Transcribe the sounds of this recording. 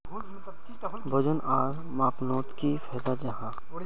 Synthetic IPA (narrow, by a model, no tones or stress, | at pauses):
bʱəd͡ʒənʔaːɾ | maːpnoːt̪kifʰɛːd̪ad͡ʒɐɦãː